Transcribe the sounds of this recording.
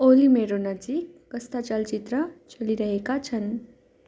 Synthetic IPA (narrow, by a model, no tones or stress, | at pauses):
oɾimeɾonəd͡zik | kəst̪at͡ʃalt͡ʃit̪ɾət͡ʃəliɾəɦekat͡ʃʰən